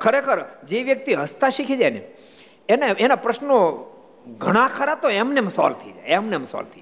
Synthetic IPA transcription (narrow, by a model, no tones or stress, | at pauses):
kʰəɾekʰəɾd͡ʒeʋjək̚t̪iɦəst̪aʃikʰid͡ʒajne | eneenapɾəʃno | ɡʱəɽ̃ãkʰəɾat̪oɛmneemsɔ̰lt̪ʰəjd͡ʒaemneemsɔ̰lt̪ʰə